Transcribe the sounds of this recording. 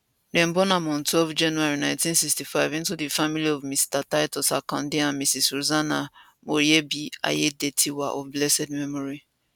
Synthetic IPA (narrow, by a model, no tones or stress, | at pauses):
dɛ̃m̩bɔnamɔ̃ntwɛlvd͡ʒãnuaɹinãɪ̃ntĩnsikstifaɪvĩntudifamiliɔvmistataɪtɔsakɔ̰̃ndiãnmisisuzana | moɾiebia̰jedetʰiwaʔɔvblɛsɛd̚mɛmɔɹi